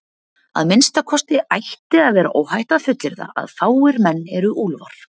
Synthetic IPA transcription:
a̰ðmɪnst̪akʰɔst̪ɪʔajht̪ɪaðvɛːɾa̰ʔowhajht̪aðfʏt̪lɪɾða̰ʔa̰ðfaːwɪɾmɛnːɛɾʏʔulva̰ɾ̥

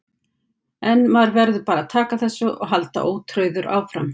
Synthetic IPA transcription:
ɛnmaɾvɛɾðʏpaːɾat̪ʰaːkaθɛsːʏʔɔ̰ɣɦalt̪a̰ʔoːwt̪ʰɾœɥðʏɾʔa̰ːwfɾam

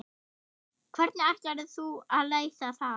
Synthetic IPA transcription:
kʰvɛɾt̪nɪahcaɾðɪθualejθaθa

